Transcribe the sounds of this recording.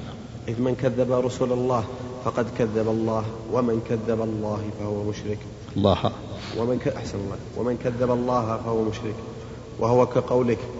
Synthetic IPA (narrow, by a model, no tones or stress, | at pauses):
ʔɪðmɪnkaðːabaɾˤɑsuːlalˤːɑːh | fɑqɑd̪kaðːabalˤːɑːh | wamɪnkaðːabalˤːɑːhfahʊwamʊʃɾɪk | lˤːɑːha̰ | waʔaħsanalˤːɑːwa̰mɪnkaðːabalˤːɑːɦafahʊwamʊʃɾɪk | wʔahʊwakaqɑwlɪk